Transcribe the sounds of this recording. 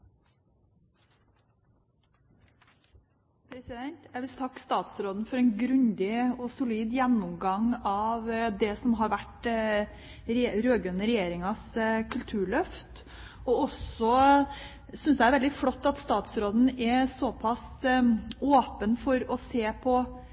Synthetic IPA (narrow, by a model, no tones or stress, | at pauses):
pʰɾɛsɪd̪ɛnt̪jæʋɪst̪ʰɑkːst̪ɑːt̪sɾoːd̪n̩fɔɾɛɪnɡɾʉnd̪ɪɔsʊliːd̪jɛnːʊmɡɑŋɑʋd̪ɛsɔmɦɑɾʋæʈ | ɾɾøːɡʉnəɾɛjeːɾɪŋɑskʰʉlt̪ʰʉːɭœft̪ | ɔɔsɔ | sʏnsææɾʋɛld̪ɪfɽɔt̪ːɑt̪st̪ɑːt̪sɾoːd̪n̩ɛsɔpʰɑs | oːpənfɔɾɔseːpʰɔ